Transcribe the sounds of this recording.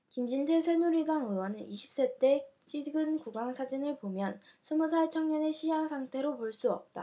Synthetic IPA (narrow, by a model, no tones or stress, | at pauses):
kimd͡ʑintʰesʰenuɾiɡaŋɯwʌnɯnʔiɕʰi̥p̚s͈et͈e̞t͡ɕ͈ʰiɡɯnkuɡaŋsʰad͡ʑinɯɭpomjʌn | sʰumusʰat͡ɕʰʌŋɲʌne̞ɕʰijaŋsʰaŋtʰe̞ɾopoɭs͈uʌ̰p̚tt͈a̰